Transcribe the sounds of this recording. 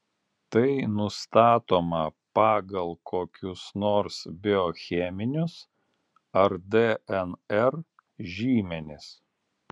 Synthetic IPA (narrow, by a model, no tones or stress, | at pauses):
t̪ɐɪnʊst̪ɑːt̪oːmɐpɑːɡɐlˠkʰoːkʲʊsnoːɾsbʲɪɔxʲɛmʲɪnʲʊs | ɐɾd̪eɛnɛɾ | ʒʲiːmʲɛnʲɪs